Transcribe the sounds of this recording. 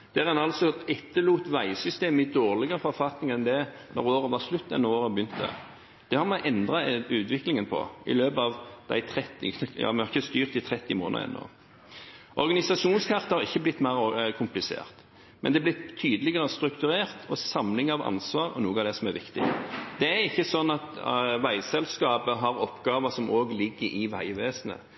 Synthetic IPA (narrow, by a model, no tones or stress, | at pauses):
d̪̥æʁɛnɑlsɔɛt̪ːəluːt̪ʋæɪsʏst̪eːməɪd̪oːʁlɪɡəʁəfɔɾfɑt̪nɪŋɛnd̪ɛnɔ̰ʁoːɾəʋɑʁslʉt̪ːɛ̰nːoːɾəbəjʏnt̪ːə̰ | d̪̥ɛhɑɾmɑɪʔɛnd̪ʁɑʉːt̪ʋɪklɪŋənpʰɔ̰ɪ̰løːbɑʋd̪æ̰ɪt̪ʰʁɛt̪ːɪjɑ̰ːmɛhɑɾɪçːəst̪yːʁt̪̚it̪ʰʁɛt̪ːɪmo̰ːnə̰ɾɛ̰nːo̰ː | ʔɔʁɡɑnɪsɑʂuːnskʰɑʁt̪əhɑʁɪçːəblɪt̪ːmæɪʁkʰʊmplɪsḛːʁt̪ | mʔɛnd̪ɛblɪt̪ʰːyːd̪əlɪɡəʁəst̪ɾʉkt̪ʉɾeːʁt̪ʰɔsɑmlɪŋɑʋɑ̰nsʋɑːʁɔ̰nuːɡɑd̪ɛsɔmæʋɪkt̪ɪ̰d̪̥ɛæɾɪçːəsɔnːɑt̪ʋæɪsɛlskɑːpəɦɑɾɔpːɡɑːʋəsɔmʔoːɡlɪɡːəɾɪʋæɪʋeːsənə̰